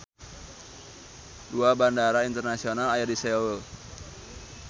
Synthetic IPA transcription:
duabandaɾaint̪ərnasionalajadiseowəl

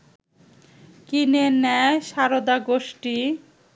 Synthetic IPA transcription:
kinenɛʃaɾod̪aɡoʃʈi

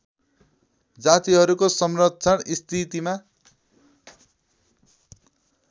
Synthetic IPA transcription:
d͡zat̪iɦʌɾukosʌmrʌtːt͡sʰʌɽist̪ʰit̪ima

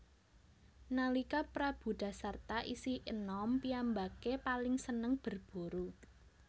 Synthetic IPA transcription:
nalikapɾab̥ṳd̪̥a̤sart̪aʔisiʔənɔmpiambakepalɪŋsənəŋb̥ə̤rb̥o̤ɾu

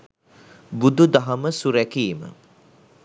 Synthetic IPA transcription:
bud̪ud̪aɦɐməsuɾækiːmə̰

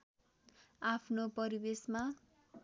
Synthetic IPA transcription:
apʰnopʌɾibesma

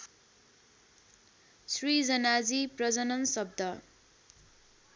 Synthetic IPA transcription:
srid͡zʌnad͡ziprʌd͡zʌnʌnsʌb̚d̪ʱʌ

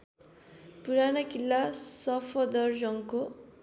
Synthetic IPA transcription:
puɾanʌkilːasʌpʰʌd̪ʌrd͡zʌŋko

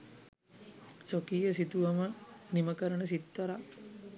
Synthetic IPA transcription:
sokijəsit̪uʋɐməniməkəɾənəs̬it̪ːɐɾa

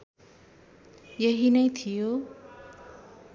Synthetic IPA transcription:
jʌɦinʌjt̪ʰijo

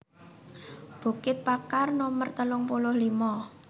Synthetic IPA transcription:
b̥ṳkɪt̪̚pakarnomərt̪əlʊŋpulʊhlimɔ

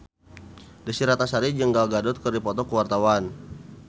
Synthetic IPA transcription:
disiɾat̪asaɾid͡ʒəŋɡalɡadʊt̪̚kərdipɔt̪ɔkəwart̪awan

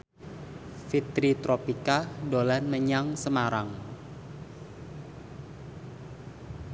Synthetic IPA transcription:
fit̪ɾit̪ɾopikadolanməɲaŋsəmaɾaŋ

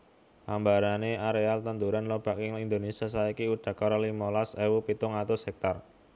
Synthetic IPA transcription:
lambaɾaneaɾealt̪ənt̪uɾanlob̥a̤kɪŋind̪onesias̬aikiuɖ̪̥a̤kɔɾɔlimɔlasewupit̪ʊŋat̪osɛk̚t̪ɔr

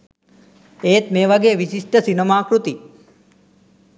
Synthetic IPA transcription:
eːt̪meːʋɐɡeːʋiʃiʂʈəsinɐmaːkɾut̪i

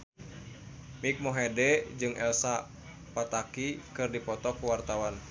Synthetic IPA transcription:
mik̚mɔɦɛdɛd͡ʒɨŋɛ̰lsa | pat̪akikɨrdipɔt̪ɔkuwart̪awan

